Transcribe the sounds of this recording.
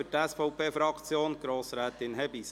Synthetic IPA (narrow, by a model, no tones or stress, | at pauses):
ʏtɛsfɔʊpʰeːfɾɑkt͡sjoːnɡ̥ɾoːsɾæːt̪ɪnɦɛbis